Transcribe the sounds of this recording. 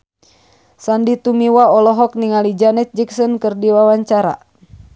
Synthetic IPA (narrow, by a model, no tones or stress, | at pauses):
sandit̪umiwaɔlɔɦɔk̚niŋalid͡ʒanɛt̪̚d͡ʒiksɔnkɨrdiwawaɲt͡ʃaɾa̰